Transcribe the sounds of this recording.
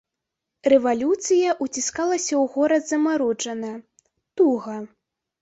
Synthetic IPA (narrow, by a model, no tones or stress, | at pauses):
rɛvalʲut̪sɨjɐʔut͡sʲiskalˠɐsʲɐwɣɔɾɐd̪zɐmaɾut͡ʂɐnɐ | t̪uɣɐ